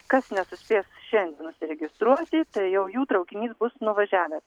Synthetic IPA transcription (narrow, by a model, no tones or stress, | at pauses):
kɐsnʲɛsʊsʲpʲeːsʃʲɛnʲd̪ʲɛnʊsʲɪɾʲɛɡʲɪst̪ɾuɔt̪ʲɪt̪ɐɪjɛʊjuːt̪ɾɐʊkʲɪnʲiːsbʊsnʊʋɐʒʲæːʋʲeːt̪